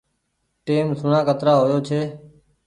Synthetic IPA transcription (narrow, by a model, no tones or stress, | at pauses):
ʈeːmsʊɳãːkət̪ɾaːɦoːjoːt͡ʃʰeː